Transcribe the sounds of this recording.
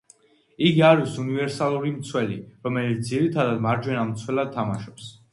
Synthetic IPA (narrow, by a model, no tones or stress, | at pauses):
iɡiaɾisunivɛɾsalˠuɾimt̪sʰwɛliɾɔmɛlit̪s̚d̪iɾit̪ʰad̪ad̪maɾd͡ʒwɛnamt̪sʰwɛlad̪̚t̪ʰːamaʃɔps